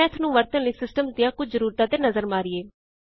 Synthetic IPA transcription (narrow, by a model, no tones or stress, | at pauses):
ɛ̃ːɪt̪ʰnũːʋəɾt̪ə̃nliːsɪsʈəmsd̪ɪjãːkʊt͡ʃʰzəɾuːɾt̪aːd̪eːnəzəɾmaːɾieː